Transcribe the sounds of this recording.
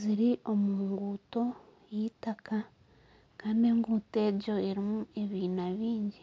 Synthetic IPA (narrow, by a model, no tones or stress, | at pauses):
ziɾiʔo̞muːŋŋɡuːto̞ | jitaka | kaːndeŋɡuːte̞ːɟo̞eɾimue̞βiːnaβiːɲɟi